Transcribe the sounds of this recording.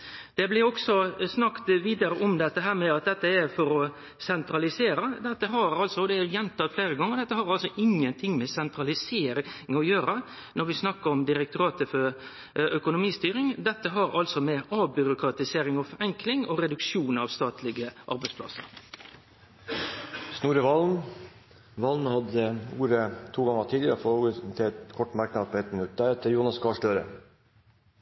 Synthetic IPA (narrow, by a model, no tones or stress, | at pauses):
d̪̥ɛblɪɾɔksɔsnɑkt̪ʋiːd̪ɑɾəʔɔmd̪ɛt̪ːəɦæːɾmɛɑt̪̚d̪ɛt̪ːəɛɾfɔɾɔ | sɛnt̪ɾɑlɪseːɾəd̪ɛt̪ːəɦɑɾɑlsɔd̪ɛɛjɛnt̪ʰɑːt̪fleːɾəɡɑŋːəɔd̪ɛt̪ːəhɑɾɑlsɔʔɪŋːənt̪ʰɪŋːmɛsɛnt̪ɾɑlɪseːɾɪŋɔjøːɾə | nɔɾʋɪsnɑkːəɾɔmd̪ɪɾɛk̚t̪ʰʊɾɑːt̪əfɔɾ | œkʊnʊmiːst̪yːɾɪŋd̪ɛt̪ːəɦɑɾɑlsɔmeʔɑːbʏɾʊkɾɑt̪ɪseːɾɪŋɔfɔɾɛŋklɪŋɔɾɛd̪ʉkʃuːnɑʋst̪ɑːt̪ʰlɪɡəʔɑ̰ɾbɛɪspʰlɑ̰sə̰ɾ | snuːɾəʋɑlm | ʋɑlnhɑd̪əuːɾət̪ʰuːɡɑŋət̪ʰiːd̪ɪəɾəfɔɾoːɡəst̪ʰɪɛt̪kʰɔʈːmɑɾknɑd̪̚pʰɔɛt̪mɪnʉt̪̚d̪æɾɛt̪əɾjuːnɑskʰɑːʂɭøːɾə̰